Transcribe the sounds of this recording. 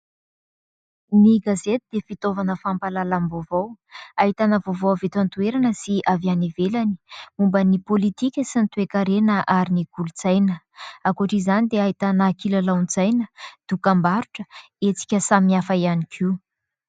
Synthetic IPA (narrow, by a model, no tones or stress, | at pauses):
niɡazet̪id̪efit̪ovanəfampalalamvovowaɦit̪anəvovowavet̪ant̪ueɾanəsiavjanivelani̥umbənipolit̪ikʲəsint̪uekaɾenəʔaɾiniɡ̥ulut͡sajnə | akuaʈ͡ʂizanid̪eaɦit̪anaːkilalawnd͡zajnəd̪̥ukambaɾuʈ͡ʂə̥ | et͡si̥kʲəsamiafaianikʰiw